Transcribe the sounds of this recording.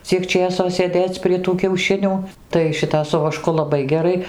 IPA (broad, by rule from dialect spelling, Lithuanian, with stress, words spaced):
ˈt͡sʲiɛk ˈt͡ʃʲeːsoː sʲeːˈdʲeːt͡s pʲrʲiɛ tuː kʲɛʊˈʃʲɪnʲuː tɐɪ ˈʃʲɪtɐ sʊ ʋɐˈʃkʊ lˠɐˈbɐɪ ɡʲɛˈrɐɪ